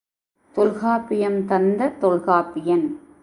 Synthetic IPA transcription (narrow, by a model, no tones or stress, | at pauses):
t̪ɔlɣaːpːɪjɐmt̪ɐnd̪ɐt̪ɔlɣaːpːɪjɐn